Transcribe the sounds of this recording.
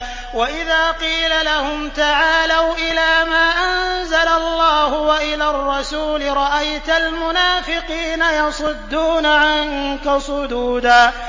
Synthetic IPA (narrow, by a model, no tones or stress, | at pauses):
waʔɪðaːqiːlalahʊmt̪aʕaːlawʔɪlaːmaːʔanzalalˤːɑːhʊwaʔɪlaːrˤːɑsuːlɪɾˤɑʔajt̪almʊnaːfɪqiːnajɑsˤʊd̪ːuːnaʕaŋkasˤʊd̪uːd̪aː